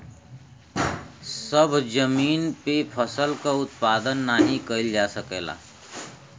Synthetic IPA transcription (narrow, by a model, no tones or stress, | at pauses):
səbʱd͡ʒəmiːnpepʰəsəlkaʊt̪paːd̪ənːaːɦĩkəɪld͡ʒaːsəkeːla̰ː